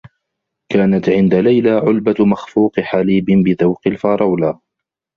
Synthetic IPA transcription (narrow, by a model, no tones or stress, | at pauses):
kaːnat̪ʕɪnd̪alajlaːʕʊlbamaxfuːqħaliːbɪnbɪðawqɪlfɑːɾˤɑwlaː